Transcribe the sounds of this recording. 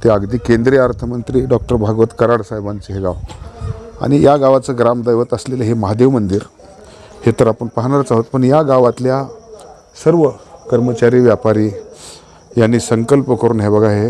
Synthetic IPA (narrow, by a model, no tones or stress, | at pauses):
t̪eaɡd̪iːkẽnd̪ɾiaɾt̪ʰəmənt̪ɾiːɖɔk̚ʈəɾbʱaɡʋət̪kəɾaɽsajbant͡seɦeɡaʋ | a̰ɽ̃ijaɡaʋat͡səɡɾamd̪əjʋət̪əsleləɦeməɦad̪eʋmənd̪iːɾ | het̪əɾapəɳpaɦɳaɾt͡saɦot̪̚pəɳjaɡaʋat̪lja | səɾʋəkəɾmət͡ɕaɾiːʋjapaɾiː | janːiːsəŋkəlpəkəɾuːnɦebəɡʱaɦe